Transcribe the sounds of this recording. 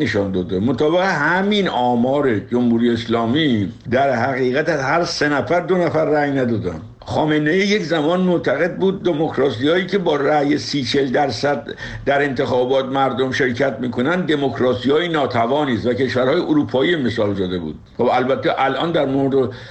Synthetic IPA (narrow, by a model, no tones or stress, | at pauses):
neʃɒnd̪ɒːd̪emot̪ʰɒːbeɣeɦæminɒːmɒːɾed͡ʒomhuːɾijeeslɒːmiːd̪æɾhæɣiːɣæt̪æzhæɾse̞næfæɾd̪o̞næfæɾːæjnæd̪ɒːd̪æ̰n | χɒːmenejiːjeczæmɒːnmot̪ʰæɣe̞d̪̚buːd̪̚ːemokʰɾɒːsijɒːiːcʰe̞bɒːɾæjesiːt͡ʃʰeld̪æɾsæd̪ | d̪æɾe̞nt̪ʰe̞xɒːbɒːt̪̚mæɾd̪omʃe̞ɾcʰæt̪ʰmiːkʰo̞nænd̪d̪e̞mokʰɾɒːsijɒːjinɒːt̪ʰævɒːniːst̪vækʰe̞ʃvæɾhɒːjeʔoɾuːpʰɒːiːme̞sɒːld̪ɒːd̪e̞bṵːd̪̥χobælbæt̪ʰːeʔælʔɒ̰ːnd̪æɾmoɾed̪e